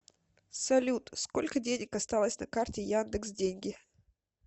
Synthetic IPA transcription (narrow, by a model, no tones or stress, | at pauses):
sɐlʲut̪sko̞lʲkədʲenʲɪkɐst̪alˠəsʲnɐkartʲɪjand̪ɨksdʲenʲɡʲɪ